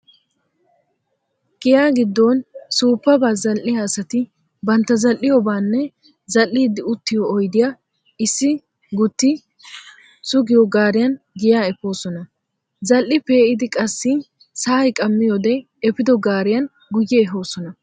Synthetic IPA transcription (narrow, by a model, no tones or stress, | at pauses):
ɡ̥ɪjaːɡɪd̪ːoːnsuːpːɐbaːzɐlʔɪjaːsɐt̪ɪ | bɐnt̪ːɐzɐlːɪjɔbaːnːɛ | zɐlːiːd̪ɪʊt̪ːɪjɔːjd̪ɪja | ɪsːɪ | ɡʊt̪ːɪ | sʊɡɪjɔɡaːɾɪjɐn | ɡɪjaːɛpːo̞ːsɔnɐ | zɐlʔːɪpe̞ːʔɪd̪ɪkʼɐsːɪ | saːjkʼɐmːɪjoːd̪ɛ | ɛpːɪd̪ɔɡaːɾɪjɐn | ɡʊjːɛɛɦo̞ːsɔnɐ